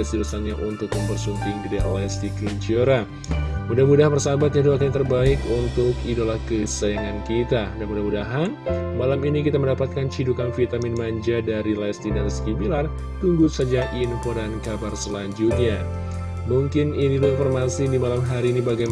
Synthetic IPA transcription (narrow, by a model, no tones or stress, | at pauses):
əsiɾusaŋɲaʔunt̪ʊk̚məmbərsuŋkɪŋdidḭlɛst̪ikɾint͡ʃioɾa | mudahmudaɦanbərsabat̪̚ɲahduak̬aɲt̪ərbaɪkunt̪ʊkidolahkəsajaŋankit̪adanmudahmudaɦanmalaminikit̪aməndapat̪̚kant͡ʃidukanfit̪amɪnmaɲd͡ʒadaɾilast̪idanskibilar | t̪uŋɡusad͡ʒaʔinfoɾankabarsəlaɲd͡ʒut̪̚ɲa | muŋkɪninilainfɔrmasidimalamɦaɾiːnibaɡa